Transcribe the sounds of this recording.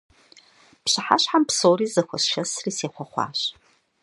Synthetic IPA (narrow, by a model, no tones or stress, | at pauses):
pɕɨħa̰ɕħampsowriːzɐxʷɐsʃɐsriːseːχʷɔχʷɑ̰ːɕ